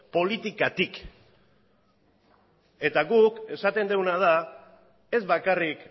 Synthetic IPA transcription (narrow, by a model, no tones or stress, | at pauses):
po̞lit̪ikat̪ik | e̞t̪aɣuke̞sat̪e̞nd̪e̞wnað̞a | e̞zβakarik